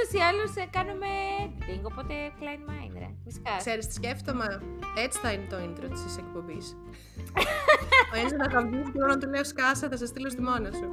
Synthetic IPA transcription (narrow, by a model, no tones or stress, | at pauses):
usiɐlusekɐnumeviŋɡopot̪eklɐjnmɐjnḛɾɐ̰fisi̥kɐkse̞ɾist̪i̥sceft̪omɐet͡si̥θɐinet̪oint̪ɾot̪i̥sisek̚po̞bis | oenzonɐɣɐvðisceoɾɐnt̪uleoskɐsɐθɐsɐst̪ilost̪imo̞nos